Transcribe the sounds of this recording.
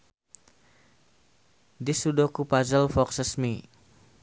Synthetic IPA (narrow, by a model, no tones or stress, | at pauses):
disudɔkupazəlfɔksəsmi